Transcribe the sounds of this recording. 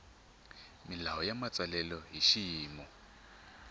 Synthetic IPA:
milaɦɔjamat͡sʼalɛlɔɦiʃijiːmɔ

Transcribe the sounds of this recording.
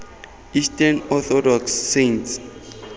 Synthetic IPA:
istanɔθʰɔdɔksːẽnts

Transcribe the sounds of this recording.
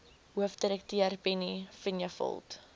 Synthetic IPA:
ɦuəfdiɾɛk̚tiərbɛnifinjafɔ̰lˠt

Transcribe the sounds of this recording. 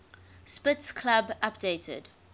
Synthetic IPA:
spɪtskʰlabapdeːtʰə̰d̥

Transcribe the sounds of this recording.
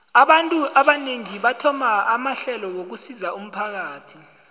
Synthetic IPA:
aɓantʼuʔaɓaneŋiɓatʰɔmaːmaɬɛlɔwok̬usizaum̩pʰak̬aːtʰi̥

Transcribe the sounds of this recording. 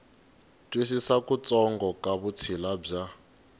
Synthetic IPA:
tʼwisisakut͡sʼɔŋɡɔkʼaβut͡sʰilab͡ʐa

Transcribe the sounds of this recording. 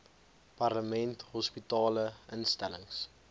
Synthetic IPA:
pɐrləmɛntɦɔspitɑːləənstæləŋs

